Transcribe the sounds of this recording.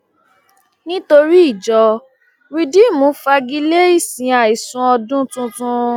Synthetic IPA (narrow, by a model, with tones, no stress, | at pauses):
nĩ˦to˧ɾi˦i˦˨d͡ʒɔ˧ | ɾi˧di˦˨mũ˨˦fa˧ɡi˦le˦i˦˨sĩ˨a˨i˨sũ˨˧ɔ˧dũ˦tũ˧˦tũ˧